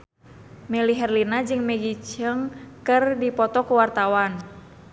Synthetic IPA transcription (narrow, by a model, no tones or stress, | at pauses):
mɛliɦɛrlinad͡ʒɨŋmɛɡit͡ʃəŋkɨrdipɔt̪ɔkuwart̪awan